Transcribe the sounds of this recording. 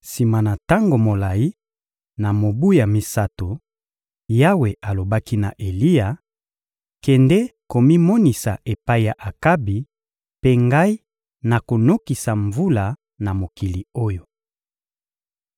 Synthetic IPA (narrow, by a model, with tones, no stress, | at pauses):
si˨ma˨na˨ta˦ŋɡo˨mo˨la˨i˦ | na˨mo˨bu˦ja˨mi˦sa˦to˨ | ja˦we˨ʔa˨lo˨ba˦ki˦na̰˨ʔe˨li˦a˨ | kɛ˨ndɛ˦ko˨mi˦mɔ˦ni˨sa˨ʔe˨pa˦i˨ja˨ʔa˨ka˦bi˨ | pe˦ŋɡa˦i˦ | na˨ko˨no˦ki˨sa˨ɱvu˦la˨ | na˨mo˨ki˨li˨o˦jo˨